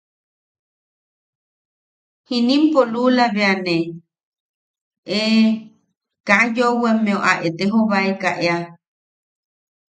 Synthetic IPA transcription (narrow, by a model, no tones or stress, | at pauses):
hinĩmpolulaβeane | e | kajowemẽoʔaʔet̪eɦoβaekaʔea